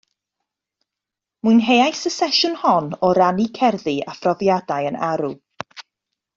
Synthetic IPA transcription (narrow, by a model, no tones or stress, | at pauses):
muɨjnɦejajsəsɛʃʊnhɔnɔɾanikʰɛrðia̰frɔðjadajənaɾu